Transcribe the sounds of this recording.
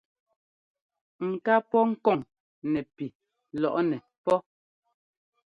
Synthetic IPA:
ŋ̩˨ka˦pɔ˦ŋ̩˦kɔ˦˨ŋ | nɛ˨pi˨ | lɔ˨ʔnɛ˨ | pɔ˦

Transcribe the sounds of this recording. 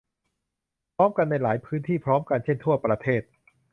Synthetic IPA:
pʰɾɔː˦˥mka˧nːa˧jlaː˩˦jpʰɯː˦˥nt̪ʰiː˥˩pʰɾɔː˦˥mka˧nt͡ɕʰe˥˩nt̪ʰu˥˩ɐpɾa˧t̪ʰeː˥˩t̪̚

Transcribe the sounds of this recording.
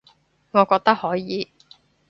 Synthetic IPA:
ŋɔː˨˧kɔː˧k̚t̪ɐ˥k̚hɔː˨˥jiː˨˧

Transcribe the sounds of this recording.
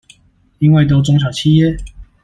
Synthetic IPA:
i˦nwe˥˩ɪt̪̬o˥˦ʊt͡sʊ˥ŋɕ̬jɑ˨˩ʊt͡ɕʰi˥˨jɛ˥˦

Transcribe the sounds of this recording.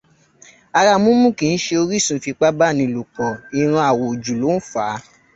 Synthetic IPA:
a˧ɾa˧mũ˦mũ˦˨kĩ˨˧n̩˦ʃe˧o˧ɾi˦˨sũ˨˦fi˧k͡pa˦ba˦˨nĩ˧˦˨lo˨k͡pɔ˨i˧ɾ̃ã˧a˨wo˨d͡ʒu˨lo˨˦n̩˦fa˨˦

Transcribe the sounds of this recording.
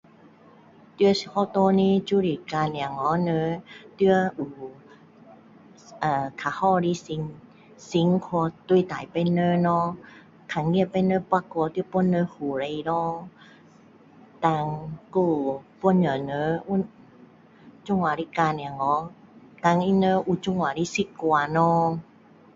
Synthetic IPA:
t̪ɯ˧ə˧shʰɔ˧˦t̪o˧ni˧˥t͡ɕu˧˨ɾi˧˩ka˧n˧a˨˩ŋɔ˨˧˦nəː˧˦t̪ɯ˧əʔu˨˩ | ʔaː˨˩kʰa˨˧˦hɔ˧ɾi˧˦si˧ŋ | si˧˦ŋkʰo˧t̪u˧˨t̪aː˨˦jpa˧jnə˧˦nɔ˧˦ | kʰa˧˩ŋi˧˨pa˧jnə˧˦pwa˧kɔ˧t̪ɨ˧˦ə˦po˧˨nːə˧˦hu˨˦ɾa˧jɾɔ˧˦ | t̪a˧ŋko˧pɔ˧˦˨nɲə˨˦nə˧˦u˧˦ | t͡ʃu˧˨ŋwa˨˦ɾi˧˦ka˧n˧˨a˨ŋɔ˧˦ | t̪a˧ŋi˧nə˧˦ʔu˧t͡ɕu˧˨ŋwa˨ɾi˧˦si˧˦ku˧a˧nɔ˧˦

